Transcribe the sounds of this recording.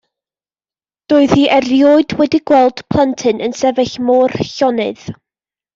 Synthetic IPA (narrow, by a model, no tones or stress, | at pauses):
d̥oːɨð̥hiːʔɛrjoːɨdwɛdiɡwɛlˠd̥pʰl̥ˠəntʰɨnʔənsɛvɛɬmɔːrɬɔnɨ̰ð̥